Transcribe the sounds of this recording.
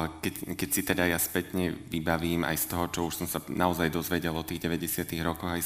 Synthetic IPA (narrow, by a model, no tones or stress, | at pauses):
kɛkɛcsit̪ɛd̪ajaspɛt̪ɲɛʋibaʋiːma̰jst̪ɔɦɔt͡ʃɔuʃsɔmsanaɔzajd̪ɔzʋɛɟɛlˠɔt̪iːɣɟɛʋɛɟɛsɪat̪iɣɾɔkɔɣaj